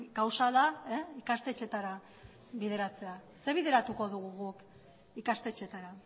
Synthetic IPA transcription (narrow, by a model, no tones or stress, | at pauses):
kawsaðaeikast̪e̞t͡ʃe̞t̪aɾa | βiðe̞ɾat͡se̞a | seβ̞iðe̞ɾat̪uko̞ðuɣuɣuk | ikast̪e̞t͡ʃe̞t̪aɾa